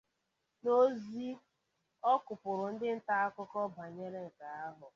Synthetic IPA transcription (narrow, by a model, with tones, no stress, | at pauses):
no˦zi˦ | ɔ˦kʊ˨pʊ˨ɾʊ˨n̩˦dɪ˦n̩˦ta˦a˦kʊ˦kɔ˦ba˨ɲe˦ɾe˦ŋ̩˨ka˨a˦ɦʊ˨